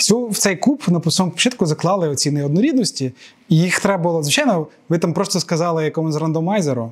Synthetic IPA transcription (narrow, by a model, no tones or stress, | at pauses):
sʲuwt̪sɛjkupnɐpsɔɔmpɔ̥t͡ʃɪt̪kʊzɐklˠɑlˠɪɔt͡sʲinɪɔd̪nɔɾʲid̪nɔsʲtʲiː | jixt̪ɾɛbɐlˠɔzʋɪt͡ʃɑjnɔʋɪt̪ampɾɔst̪ɔskɐzɑlˠɪjɐkɔmɔzrɐnd̪ɔmɑjzeɾʊ